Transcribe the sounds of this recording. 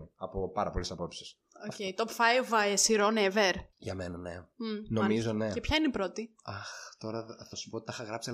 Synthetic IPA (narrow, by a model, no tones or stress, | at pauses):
ɐpo̞pɐɾɐpo̞lesɐpo̞psi̥s | oceit̪opfɐjvɐesiɾoneveɾʝɐmenɐnemnoɐmizone̞epçɐineipɾo̞t̪iɐxt̪o̞ɾɐθɐsu̥po̞t̪i̥t̪ɐxɐɣɾɐpsi